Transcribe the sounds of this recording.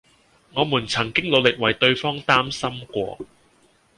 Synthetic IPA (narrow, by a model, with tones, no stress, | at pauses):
ŋɔː˨˧muː˨˩nt͡sʰɐ˨˩ŋkɪ˥ŋlo˨˧wlɪ˨k̚wɐ˨˩jt̪ɵ˧ɥfɔː˥ŋt̪aː˥msɐ˥mkʷɔ̰ː˧